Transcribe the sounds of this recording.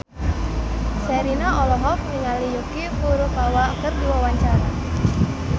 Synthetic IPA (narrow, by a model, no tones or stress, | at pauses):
sɛɾinaʔɔlɔɦɔfniŋalijukipuɾukawakərdiwawaɲt͡ʃaɾa